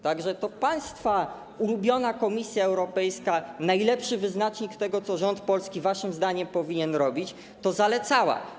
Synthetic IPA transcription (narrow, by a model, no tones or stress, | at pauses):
t̪aɡʐɛt̪ɔpaj̃st̪fa | ulubʲjɔnakɔmʲisʲjaɛwɾɔpɛjskanajlɛpʂɘvɘznat͡ʂɲikt̪ɛɡɔt̪sɔʐɔnt̪pɔlskʲivaʂɘmzd̪aɲɛmpɔvʲiɲɛnɾɔbʲit͡ɕ | t̪ɔzalɛt̪sawa̰